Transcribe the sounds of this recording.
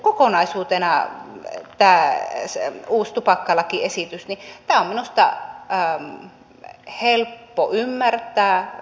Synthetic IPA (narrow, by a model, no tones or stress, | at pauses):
kokonɑisuːt̪enɑ | t̪æːsuːst̪upɑkːɑlɑkiesit̪ysnit̪æːomminust̪ɑ̰ | helpːoʔymːært̪ˑæː